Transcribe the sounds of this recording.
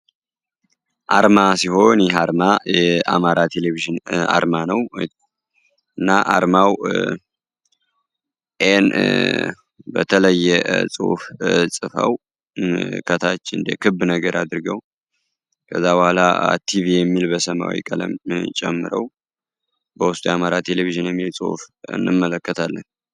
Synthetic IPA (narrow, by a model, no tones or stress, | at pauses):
ʔaɾmasiɦo̞njɛɦaɾmajɛamaɾat̪ʰe̞leviʒɨna̰ɾmanəw | ɨnːaʔaɾmaw | ʔen | bə̰t̪ʰələjːɛsʼṵfsʼɨfə̰w | kʰət̪ʰat͡ʃːɨnd̪ə̰kʰɨbnəɡəɾʔad̪ɨɾɨɡəw | kʰəzːabəhʷala̰t̪ʰivijɛmːilbəsəma̰wḭkʼələ̰mt͡ʃʼɛmːɨɾəw | bəwʊst̪ʼujamaɾat̪ʰe̞leviʒɨnjɛmːilsʼɨ̰hfɨ̰nːɨmːələkːət̪ʰalːə̰n